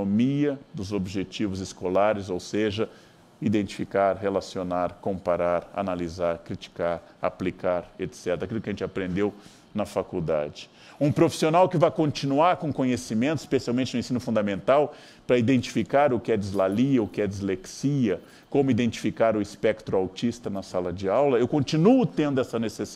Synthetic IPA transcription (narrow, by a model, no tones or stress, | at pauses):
omiɐd̪ʊzobiʒet͡ʃivʊzɪskolaɾɪzowseʒɐ | id̪ẽnt͡ʃi̥fikaɾhelasionaɾkõmpaɾaɾa̰nalizaɾkɾit͡ʃi̥kaɾ | a̰plikaɾet̪sɛt̪ɾɐakilʊkɪɐʒẽnt͡ʃapɾẽnd̪ew | nɐfakuwd̪a̰d͡ʒɪ̥ | ũpɾofi̥sionawkɪvajkõnt͡ʃĩnuaɾkõkõɲesimẽnt̪ʊispesiawmẽnt͡ʃɪnʊẽsĩnʊfũd̪amẽnt̪aw | pɾɐid̪ẽnt͡ʃi̥fikaɾʊkɪɛd͡ʒizlaliɐʊkɪɛd͡ʒɪzleksiɐ | kõmʊid̪ẽnt͡ʃi̥fikaɾʊispɛkt̪ɾʊawt͡ʃist̪ɐnɐsalɐd͡ʒɪawlɐewkõnt͡ʃinuʊt̪ẽnd̪ʊɛsɐneses